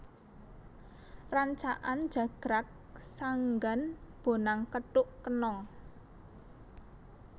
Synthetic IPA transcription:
raɲt͡ʃaʔan̥ʒ̥ä̤ɡ̥ɾak̚ | saŋɡanb̥o̤naŋkəʈʊʔkənɔŋ

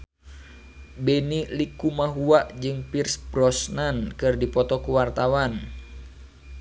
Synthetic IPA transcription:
bɛnilikumaɦuaʔd͡ʒɨŋpirsbɾɔsnankɨrdipɔt̪ɔkuwart̪awan

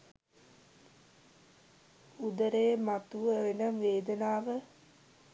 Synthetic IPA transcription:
ud̪əɾejːmat̪uʋəenəʋeːd̪ənaːʋə

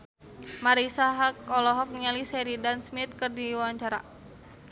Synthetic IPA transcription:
maɾisaɦakɔlɔɦɔk̚nialisɛɾidansmit̪̚kɨrdiwawaɲt͡ʃaɾa̰

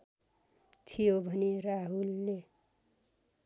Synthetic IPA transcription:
t̪ʰijobʱʌneraɦulːe

